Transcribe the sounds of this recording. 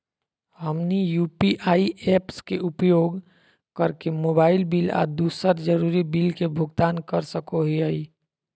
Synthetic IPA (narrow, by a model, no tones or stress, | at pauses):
həmnijuːpiʔaːiepskeʔupjoːɡ | kəɾkemoːbaːɪlbila̰ːd̪usəɾd͡ʒəɾuɾibilkebʱʊɡt̪aːnkəɾsəkoɦiəi